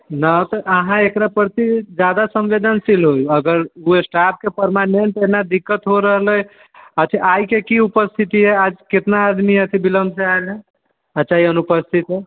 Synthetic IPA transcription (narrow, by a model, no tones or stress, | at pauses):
nat̪əʔəɦãekɾapəɾt̪id͡ʒad̪asəmʋed̪ənsilɦojuəɡəɾuesʈap̚kepəɾmaneɳʈenad̪ikːət̪ɦoɾəɦələ | ət̪ʰiʔajkekiupəst̪ʰit̪iɦɛad͡ʒket̪naːd̪miət̪ʰibiləmbsaelɦɛ | ət͡ʃaiənupəst̪ʰit̪ɦe